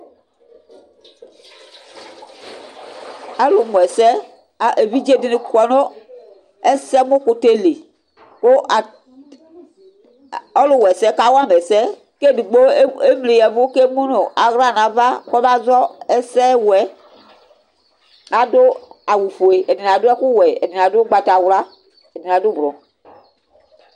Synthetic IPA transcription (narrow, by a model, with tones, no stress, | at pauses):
a˦lʊ˨mu˨ɛ˨sɛ˦˨ | e˨vi˦d͡ʒe˦˨dɪ˦nɪ˨kɔ˨no˦ | ɛ˦sɛ˦mʊ˦kʊ˨te˦le˨ | ko˦˨ | ɔ˦lʊ˨wɛ˨sɛ˦ka˨˦wa˦m˨ɛ˨sɛ˦ | ke˦du˨ɡ͡bo˦e˦m˨li˨jɛ˨vʊ˦ke˦mu˦no˨a˨ɣɾa˦˨nã˨va˦kɔ˦ba˦zɔ˦ɛ˦sɛ˦wɛ˨˦ | a˨dʊ˦a˨wu˨fo˨e˨ɛ˨di˨n˨a˨dʊ˦ɛ˦kʊ˦wɛ˨ɛ˨di˨n˨a˨dʊ˦ɡ͡ba˨ta˨wla˦ | ɛ˨di˨n˨a˨dʊ˦bɔ˨